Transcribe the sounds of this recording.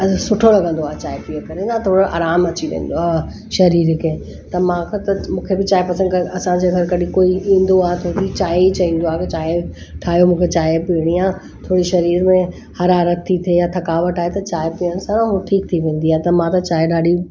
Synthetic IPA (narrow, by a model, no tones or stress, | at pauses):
ɐsʊʈʰolɐɡə̃nd̪oaːet͡ɕaːepiəkɐɾed̪at̪ʰoːɽoʔa̰ːɾaːmɐt͡ɕiʋḛ̃ːn̆d̪oaː | ʃɐɾiːɾkʰeː | t̪ɐmãkʰt̪ɐmũːkʰebɪt͡ɕaːepɐsə̃ndkɐɐsãd͡ʑeɡʱɐɾkɐɗĩkoːiĩːn̆d̪oaːɦet̪ʰot̪it͡ɕaːeit͡ɕɐĩːn̆d̪oaːɦket͡ɕaːe | ʈʰaːɦijomũːkʰet͡ɕaːepiəɽ̃iaː | t̪ʰoːɽiʃɐɾiːɾmẽ | hɐɾaːɾət̪ʰːit̪ʰiejat̪ʰɐkaːʋəʈaːɦet̪ɐt͡ɕaːepiəñsããmũʈʰiːk̚t̪ʰiʋẽːn̆d̪iaːɦet̪ɐmãt̪ɐt͡ɕaːeɗaːɗi